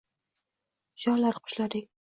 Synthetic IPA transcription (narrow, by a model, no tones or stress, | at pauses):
ʒɒɾlaɾqʰʊ̥ʃlad̪ɪk̚ʲ